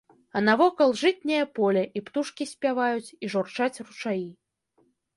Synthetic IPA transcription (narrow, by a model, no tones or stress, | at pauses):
ɐnavɔkɐlˠʐɨt̪ʲnʲɛjɐpɔlʲɛʔipt̪uʂkʲisʲpʲavajut͡sʲiʐɔrt͡ʂat͡sʲrut͡ʂaji